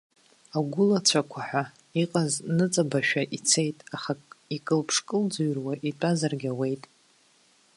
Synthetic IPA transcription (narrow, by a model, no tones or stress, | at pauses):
aɡʷʊlat͡sʷʰakʷʰaħʷa | iqʼaznɨt͡sʼabaʃᶣaʔit͡sʰe̞jtʼaχakikʼɨlpʰʂkʼɨld͡zuɥrwaʔitʼazarɡʲawe̞jtʼ